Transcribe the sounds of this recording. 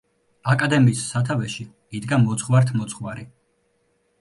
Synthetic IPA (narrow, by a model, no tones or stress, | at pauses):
akʼad̪ɛmiːsːat̪ʰavɛʃi | id̪ɡamɔt̪sʰχwaɾt̪ʰmɔt̪sʰχwaɾi